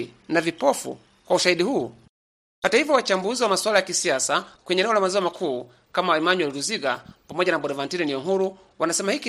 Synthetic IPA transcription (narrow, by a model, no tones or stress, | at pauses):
navipɔfṵ | kwauʃahiɗihuː | hatahivjɔwat͡ʃambuziwamaswalajakisiasakwɛɲɛnɛɔlamazɔɔmakʰuː | kamawaimaɲiwaliluziɡapamɔʄanaɓɔɾɛvantiɾɛniɔɦuɾu | wʔanasɛmahiki